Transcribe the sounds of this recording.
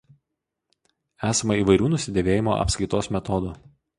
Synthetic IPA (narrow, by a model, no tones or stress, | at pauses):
æːsɐmɐiːʋɐɪɾʲuːnʊsʲɪd̪ʲeːʋʲeːjɪmoːʔɐ̰pskɐɾɪt̪oːsmʲɛt̪ɔd̪uː